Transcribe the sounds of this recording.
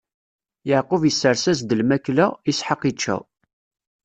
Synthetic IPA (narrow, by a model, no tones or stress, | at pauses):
jəʕqəvjəsːəɾsæzd̪əlmæklæisħəqit͡ʃːæ̰